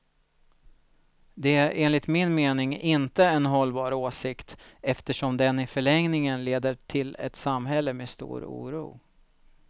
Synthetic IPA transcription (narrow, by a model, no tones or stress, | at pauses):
d̪ɛæɾʔeːnlɪt̪mɪnmeːnɪŋɪnt̪əɛnɦɔlːbɑːɾoːsɪkt̪ɛft̪əʂɔmd̪ɛnɪfœɭɛŋnɪŋənleːd̪əʈʰɪlɛ̰t̪samɦɛlːəmeːst̪ṵːɾṵːɾṵː